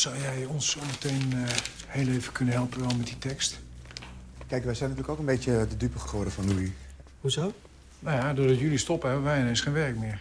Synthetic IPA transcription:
sɔwjɛjɔnsomətʰejn | heːlˠejvəkʰønəɦɛlˠpənʋɛlˠmɛt̚ditʰɛkst | kɛjkʋɛjsɛjntyːləkokənbetjədədypəχəχoːdəfɔnuihuzoː | najadʊːdɔtjylistɔpəɛbəʋɛjɪnensχenʋɛrkmɪər

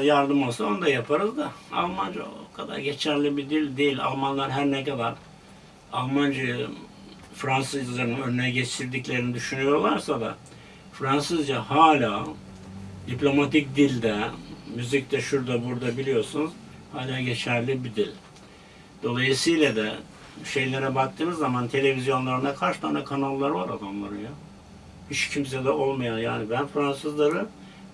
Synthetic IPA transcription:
jaɾd̪ɯmolˠsaond̪ajapʰaɾɯzd̪aa̰lˠmand͡ʒaokʰad̪a̰ɾɟe̞t͡ʃʰæɾlʲibid̪ilʲd̪ejilʲa̰lˠmanlˠaɾɦæɾnɛkad̪aɾ | alˠmand͡ʒɯ | fɾansɯzlˠaɾnɯnønynɛɟet͡ʃ̪ʰiɾd̪iclʲe̞ɾinid̪yʃynyjo̞ɾlˠaɾsad̪a̰ | fɾansɯzd͡ʒahaːlʲaː | d̪iplʲo̞mat̪ʰic̚d̪ilʲd̪ɛmyzic̚d̪ɛʃuɾd̪abuɾd̪abilʲijo̞ɾsunuz̥ | haːlʲaːɟe̞t͡ʃʰæɾlʲibid̪ilʲ | d̪̥o̞lˠajɯsɯjlʲad̪ɛ | ʃe̞jlʲe̞ɾɛbak̚t̪ʰɯːmɯzːamant̪ʰe̞lʲe̞vizjo̞nlˠaɾɯnakʰaɾʃɯ̥t̪ʰanakʰanalˠːaɾɯvaɾad̪amlˠaɾɯnja | hit͡ʃcʰims̬ɛd̪ɛʔo̞lˠmajanjaːnibænfɾansɯzlˠaɾɯ

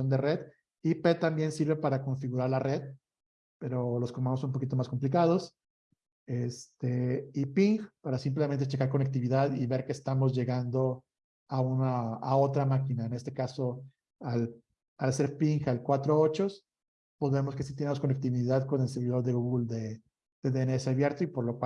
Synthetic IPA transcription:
ond̪ere̞ð | ipe̞t̪ambje̞nsiɾβepaɾako̞ɱfiɣuɾaɾlare̞ð | pe̞ɾo̞lo̞skomanosonumpo̞kit̪o̞masko̞mplikað̞o̞s | e̞st̪e̞ipiŋxpaɾasimp̬lement̪et͡ʃekaɾko̞nek̚t̪iβ̞iðaðiβe̞ɾkeːst̪amo̞zʝe̞ɣand̪o̞ | aunaao̞t̪ɾamakinaene̞st̪e̞kaso̞ | al | alse̞ɾpiŋxalkwat̪ɾoaot͡ʃo̞s | pozβe̞mo̞ske̞si̥t̪jenemosko̞nek̚t̪iβiðaðko̞ne̞lse̞ɾβiðo̞ɾðeɣuɣuld̪e | ð̥e̞ðeeneese̞aβje̞ɾt̪oipo̞ɾlokw

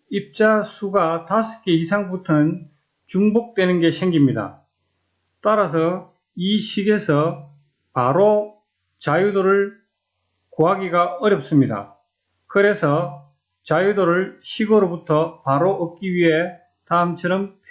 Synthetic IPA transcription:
ip̚t͡ɕ͈asʰuɡatasʰɯ̥kʰeisʰaŋbutʰʌnɯn | t͡ɕuŋbok̚t͈we̞nɯnɡe̞ɕʰeŋɡimɲida̰ | t͈aɾas̬ʰʌ | iɕʰiɡe̞sʰʌ | paɾo | t͡ɕajudoɾɯɭ | koɦaɡiɡaʌɾjʌp̚s͈ɯmɲida̰ | kɯɾe̞sʰʌ | t͡ɕajudoɾɯɭɕʰiɡʌɾobutʰʌpaɾoʔʌk͈iɥiɦe̞ | taɯmt͡ɕʰʌɾʌmʰ

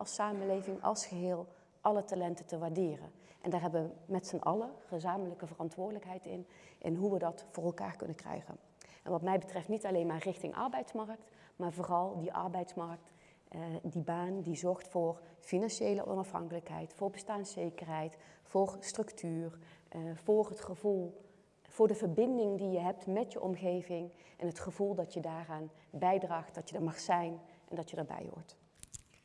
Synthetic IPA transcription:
ʔɑlˠsaːməlejvɪŋɑ̰lˠsχəɦɪːlˠ | ʔɑlətalɛntəntəʋaːɹdɪːrə̰n | ʔɛndaːɹɦɛbəʋəmɛtsənʔɑ̰ləχəzaːmələkəvərɑntʋʊːɹdələkɦɛjtɪ̰n | ʔɪ̰nɦuʋədɑtfʊːrɛlˠka̰ːɹkɵnənkrɛ̰jχə̰n | ɛ̰nʋɑtmɛjbətrɛftnitɑlejnmaːɹrɪxtɪŋʔɑ̰ɹbɛjtsmɑrək̚t | maːɹvʊːrɑlˠdiʔɑ̰ɹbɛjtsmɑɹk̚t | dibaːndizɔɹχtfʊːrfinɑnʃejlə̰ʔɔ̰nɑfɦɑ̰ŋkələkɦɛ̰jtfʊːɹbəstaːnsejkəɹɦɛjtfʊːrstrɵktʰyːrvʊːrətχəvulˠ | v̥ʊːɹdəvəɹbɪndɪŋdijəɦɛp̚tmɛtjəʔɔmɣejvɪŋʔɛnɦətχəvulˠdɑtjədaːraːnbɛjdraːχt̚d̥ɑtjədəɹmɑχsɛjnʔɛndɑtjədəɹbɛ̰jʋɔ̰ɹt

